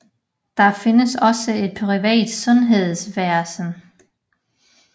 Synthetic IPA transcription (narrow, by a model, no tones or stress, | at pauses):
d̥ɑ̈fe̝nəsɒ̽səe̝d̥̚pʰʁiʋɛ̰ːd̥sɔ̽nɦe̝ð̞̰ˠsʋæɐsn̩